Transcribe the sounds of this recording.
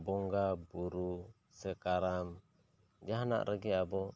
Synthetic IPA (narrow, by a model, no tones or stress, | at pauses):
bɔŋɡabuɾu | sɛkaɾam | d͡ʒaɦana̰ʔɾʔɛɡɛabɔ